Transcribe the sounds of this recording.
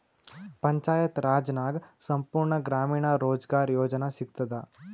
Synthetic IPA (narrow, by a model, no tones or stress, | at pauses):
pɐɲt͡ʃaːjɐt̪ɾaːd͡ʒnaːɡsɐmpuːɾɳɐɡɾaːmiːɳaɾoːd͡ʒɡaːɾjoːd͡ʒɐnɐsiɡt̪ɐd̪ɐ